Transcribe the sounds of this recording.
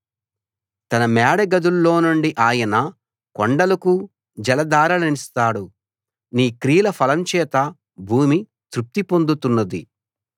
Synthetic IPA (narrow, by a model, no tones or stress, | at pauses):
t̪ɐnɐmɛːɽɐɡɐd̪ulːo̞ːnuɳɖiʔaːjɐnɐ | koɳɖɐlɐku | d͡ʒɐlɐd̪aːɾɐlɐnist̪aːɽu | niːkɾiːlɐpʰɐlɐmt͡ʃɛːt̪ɐ | bʱuːmi | t̪ɾup̚t̪ipo̞nd̪ut̪unːɐd̪ḭ